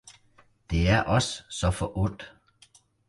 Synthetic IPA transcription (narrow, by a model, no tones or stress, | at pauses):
d̥e̝æɐʔɒ̽ssɒ̽fɒʔɔn̰d̥